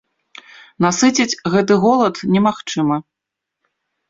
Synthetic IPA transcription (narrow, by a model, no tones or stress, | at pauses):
nasɨt͡sʲɐt͡sʲɣɛt̪ɨɣɔlˠɐt̪nʲɛmaxt͡ʂɨmɐ